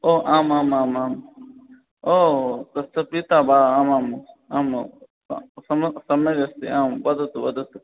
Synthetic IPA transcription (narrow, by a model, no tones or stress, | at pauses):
oːʔaːmaːmaːmaːm | oːt̪ɐst̪ɐpit̪aːbaːaːmaːm | aːm | sɐmsɐmed͡ʒɐst̪ḭaːmbɐd̪ɐt̪ubɐd̪ət̪